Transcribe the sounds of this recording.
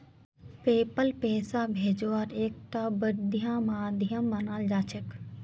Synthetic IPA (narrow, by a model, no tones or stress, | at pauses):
peːpəlpeːsaːbʱeːd͡ʒʋaːɾeːk̚t̪aːbəɾd̪jãːmaːd̪jãːmɐnaːld͡ʒaːt͡ʃək